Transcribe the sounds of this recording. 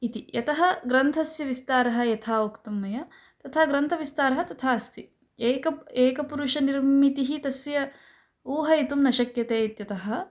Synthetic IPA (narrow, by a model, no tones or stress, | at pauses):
it̪ijɐt̪ɐɦɐɡɾɐnt̪ʰɐsjɐʋist̪aːɾɐɦɐ̆jɐt̪ʰaːukt̪ɐmːɐjɐ | t̪ɐt̪ʰaːɡɾɐnt̪ʰɐʋist̪aːɾɐɦɐt̪ɐt̪ʰaːɐst̪ʰi | eːkɐeːkɐpuɾuʃɐniɾmit̪iɦit̪ɐsjɐ | uːɦɐit̪umnɐʃɐkjɐt̪eːt̪jɐt̪ɐɦɐ̆